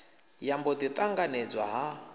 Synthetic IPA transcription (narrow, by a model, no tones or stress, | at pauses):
jambɔd̪it̪ʼaŋɡaned͡zwaɦa